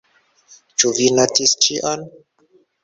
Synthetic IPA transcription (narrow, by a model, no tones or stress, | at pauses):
t͡ʃuvinatist͡ʃiʔon